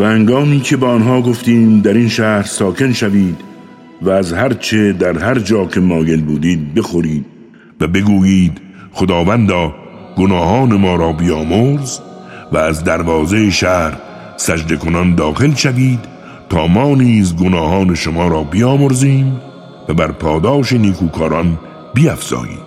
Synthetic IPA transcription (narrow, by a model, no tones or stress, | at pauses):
væhæŋɡɒːmiːkʰe̞beːnɦɒːɡo̞ft̪iːmd̪æɾinʃæːɾsɒːkʰe̞nʃæviːd̪ | væːzhæɾt͡ʃʰed̪æɾɦæɾd͡ʒɒːcʰe̞mɒːɡe̞lbuːd̪iːd̪̚be̞xoɾiːd̪̥̚ | væbe̞ɡuːjiːd̪̥ | xod̪ɒːvænd̪ɒː | ɡ̥onɒːhɒːnemɒːɾɒːbijɒːmoɾzvæːzd̪æɾvɒːzeeʃæɾ | sæd͡ʒd̪ekʰonɒnd̪ɒːxelʃæviːd̪ | t̪ʰɒːmɒːniːzɡonɒːhɒːne̞ʃomɒːɾɒːbijɒːmoɾziːm | væbæɾpʰɒːd̪ɒːʃeniːkʰuːkʰɒːɾɒn | biæfz̥ɒ̰ːjḭːd̪